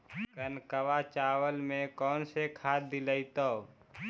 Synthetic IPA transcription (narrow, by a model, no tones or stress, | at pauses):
kənkəʋat͡ʃaːwəlmẽkɔːnsekʰaːt̪̚d̪ɪləit̪ə